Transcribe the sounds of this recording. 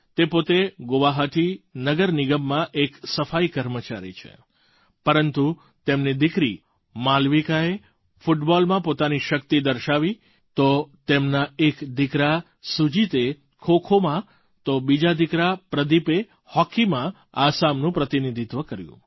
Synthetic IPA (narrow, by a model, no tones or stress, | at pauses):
t̪epot̪eɡoʋaɦəʈʰinəɡəɾniɡəmːãʔeksəfaikəɾmət͡ʃaɾḭt͡ʃʰḛ | pəɾənt̪u | t̪emnid̪ɪkɾḭ | malʋikae | fuʈbɔlmãpot̪aniʃək̚t̪id̪əɾʃaʋi | t̪ot̪emnaekd̪ɪkɾa | sud͡ʒit̪e | kʰokʰomã | t̪obid͡ʒad̪ɪkɾapɾəd̪ipe | hɔkimã | asamnũpɾət̪inid̪ʱit̪ʋəkəɾjṵ̃